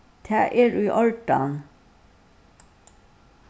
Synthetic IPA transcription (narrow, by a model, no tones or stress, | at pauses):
t̪ʰæːʔeːɾʉːʔɑlʈɑ̰ːn